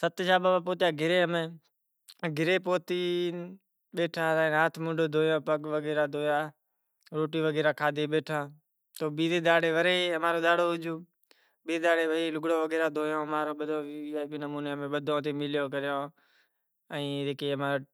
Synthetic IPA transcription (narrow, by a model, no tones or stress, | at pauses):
sət̪ʃaːbaːbaːpoːt̪jaːɡʱɪɾeːɦəmẽː | ɡʱɪɾeːpoːt̪iː | ɓeːʈʰaːɾãːaːt̪ʰmʊ̃ɳɖoːd̪ʱoːjõːpəkʋəɡeːɾaːd̪ʱoːjaː | ɾoːʈiːʋəɡeːɾaːkʰaːd̪ʱeːɓeːʈʰaː | t̪oːɓiːd̪eːd̪aːɽeːʋəɾeːɦəmaːɾoːɗ̪aːɽoːɦʊd͡ʒoː | ɓiːd̪aːɽeːʋəeːlʊɡɽõːʋəɡeːɾaːd̪ʱoːjõːɦəmaːɾoːɓəd̪ʱõːʋiaːbiːnəmuːneːəmẽːɓəd̪ʱõːt̪eːmɪljoːk̬əɾjõː | əĩːeːkeːəmaː